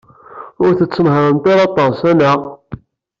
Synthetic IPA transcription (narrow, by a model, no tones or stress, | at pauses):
ʊɾθət͡sːəmɦəɾˤənt̪ɑɾˤɑt̪ˤɑsæna